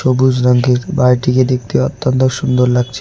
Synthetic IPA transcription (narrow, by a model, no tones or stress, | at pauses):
obud͡ʑɾaŋɡʱeɾbajʈiked̪ek̚ʰt̪eɔt̪ːont̪oʃund̪oɾlaɡ̚t͡ɕʰe